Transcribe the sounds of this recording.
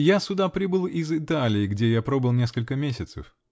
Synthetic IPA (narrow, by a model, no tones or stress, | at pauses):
jasʲʊd̪apɾʲibɨlˠɪzɨt̪alʲɪːɡdʲe̞japɾo̞bɨlˠnʲe̞skəlʲkəmʲesʲɪt̪sə̰f